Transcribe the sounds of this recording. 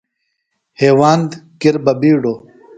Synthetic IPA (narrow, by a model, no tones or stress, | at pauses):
heːwaːnd̪kiɾbɐbiːɖoː